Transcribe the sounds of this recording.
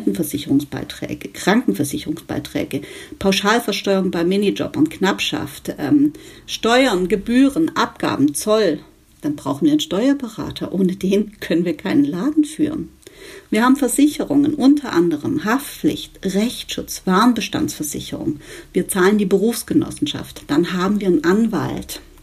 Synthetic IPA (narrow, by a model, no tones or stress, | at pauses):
tn̩fɛɐzɪçəʁʊŋsb̥a̰ɪtʁ̥ɛ̰ːɡ̥əkʁ̥aŋkŋ̩fɛɐzɪçəʁʊŋsb̥a̰ɪtʁ̥ɛ̰ːɡəpʰaʊʃaːlfɛɐʃtɔʏʁʊŋbaɪmɪnid͡ʒɔ̰pɐnknapʃa̰ftʔɛːmʃtɔʏɐnɡəbyːʁənʔap̚ɡ̥a̰ːbm̩t͡sɔl | d̥anbʁaʊxn̩viːɐɪnʃtɔʏɐbəʁa̰ːtʰɐʔoːnədeːnkʰœnənviːɐkʰaɪnənlaːdn̩fy̰ːʁənviːɐhaːbm̩fɛɐzɪçəʁʊŋənʔʊntʰɐʔa̰ndəʁəmhaftp͡flɪ̰çtʁɛçtʃʊt͡sv̥aɐnbəʃta̰nt͡ssfɛɐzɪ̰çə̰ʁʊ̰ŋviːɐt͡saːləndiːbəʁuːfsɡ̥ənɔ̰sn̩ʃa̰ftd̥anɦaːbm̩viːɐənʔanva̰lt